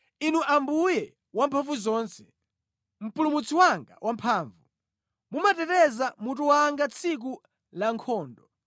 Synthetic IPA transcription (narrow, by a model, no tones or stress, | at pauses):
inuʔambujɛ | wampʰaɱvuzɔːnsɛ̥ | m̩pulumut͡sʰiwaŋɡa̰wʔampʰaːɱvu | mumatɛtɛzamutuwaŋɡat͡sʰik̬u | laŋkʰɔːndɔ